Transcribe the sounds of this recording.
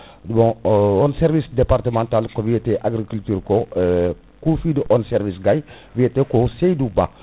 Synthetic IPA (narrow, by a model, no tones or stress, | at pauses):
bɔ̃ɔnsɛɾvisdepaɾtəmãntalkovieteʔaɡɾikyltyɾko | kufidəʔɔnsɛɾvisɡaj | vietekosejduba̰